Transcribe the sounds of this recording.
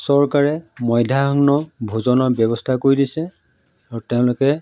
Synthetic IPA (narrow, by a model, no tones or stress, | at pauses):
sɔɹkaɹɛmɔjdʱaɔɡnɔbʱozɔnɔbɔbɔstʰakoɹidisɛ | aɹutɛʊ̃lʊkɛ